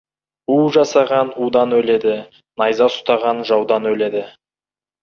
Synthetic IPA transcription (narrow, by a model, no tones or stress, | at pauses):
uʒɑsɑʁɑnud̪ɑnwɵle̞d̪ɪ | nɑjzɑsʊ̥t̪ɑʁɑnʒɑwd̪ɑnwɵle̞d̪ɪ